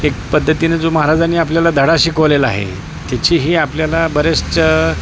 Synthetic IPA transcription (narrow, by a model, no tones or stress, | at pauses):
ek̚pəd̪ʱːət̪ined͡zoməɦaɾad͡zaniːapljalad̪ʱəɽaɕikəʋlela̰ɦḛ | t̪jat͡ɕiːɦiːapljalabəɾeʂt͡ɕə